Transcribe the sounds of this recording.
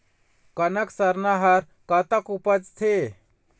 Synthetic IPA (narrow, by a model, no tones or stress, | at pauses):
kənəksəɾnaɦəɾ | kət̪əkupəd͡ʒt̪ʰe